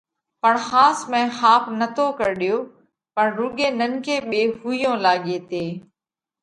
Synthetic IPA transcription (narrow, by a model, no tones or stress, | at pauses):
pəɳxaːsmɛ̃ːxaːpnət̪ʰokəɾɗɪjoː | pəɳɾuːɡeːnənkeːɓeːɦuːɪjõːlaːɠeːt̪eː